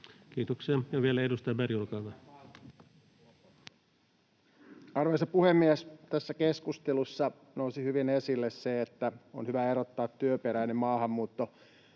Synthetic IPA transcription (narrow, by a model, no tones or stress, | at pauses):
kiːt̪okseɑnjɑʋielæedust̪ɑɑbæriulkɑːʋɑ | ɑrʋesɑpuhemːiæst̪æsːækeskust̪elusːɑ | nousihyʋinesilːesseet̪ːæo̰nhyʋæeɾot̪ːɑːt̪tyøpeɾæjnemmɑːhɑmːuːt̪ːo